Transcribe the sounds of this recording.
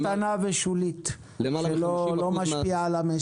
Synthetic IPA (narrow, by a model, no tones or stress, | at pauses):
t̪anaveʃulit̪ | ʃelolomaʃpialame